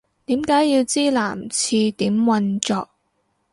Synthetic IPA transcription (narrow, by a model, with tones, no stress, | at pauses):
t̪iː˨˥mkaː˨˥jji˧wt͡siː˥la̰ː˨˩mt͡sʰiː˧t̪iː˨˥mwɐ˧nt͡ʃɔː˧k̚